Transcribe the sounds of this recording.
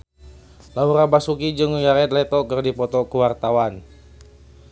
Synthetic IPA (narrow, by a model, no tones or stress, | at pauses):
lauɾabasukid͡ʒɨŋəɡaɾɛt̪lɛt̪ɔkɨrdipɔt̪ɔkuwart̪awan